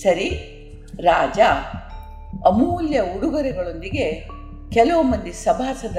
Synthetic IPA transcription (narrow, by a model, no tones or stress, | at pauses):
sɐɾi | ɾaːd͡ʒa | ɐmuːljɐuɽuɡɐɾɛɡɐɭo̞nd̪iɡe̞ | kɛlɐʋumɐnd̪isɐbʱaːsɐd̪ɐ